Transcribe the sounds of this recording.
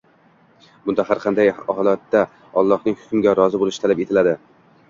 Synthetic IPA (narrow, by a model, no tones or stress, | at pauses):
bʊnd̪ahaɾqʰɑnd̪ajɒlˠat̪ːa | ɒlˠːɒhnɪŋhʊ̥kʲʊmɡʲaɾɒzɪbolɪʃɪt̪ʰalape̞t̪ʰɪlad̪ɪ